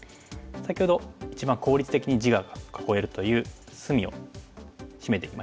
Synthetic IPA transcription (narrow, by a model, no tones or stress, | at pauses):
sakʲiho̞d̪oit͡ɕibãŋko̞ːɾʲit͡sɨ̥t̪e̞kʲiɲ̟id͡ʑiɡakʰḁko̞e̞ɾɯ̟t̪o̞jɯ̟ː | sɨmʲio̞̰ | ɕime̞t̪e̞ima